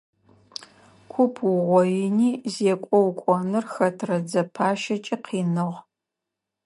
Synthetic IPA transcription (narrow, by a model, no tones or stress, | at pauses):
kʷʰʊpʰwʊʁʷɔjɪniːzeːkʷʼɔwkʷʼɔnɨrxɐtʰrɐd͡zɐpʰaːʃɐt͡ʃʼiqʰiːnɨʁ